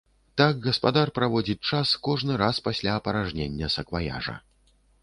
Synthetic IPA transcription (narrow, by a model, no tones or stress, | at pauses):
t̪aɡɣɐspad̪arpɾavɔd͡zʲit͡ʂaskɔʐnɨɾaspasʲlʲaɐpɐɾaʐnʲenʲːɐsɐkvaja̰ʐɐ̰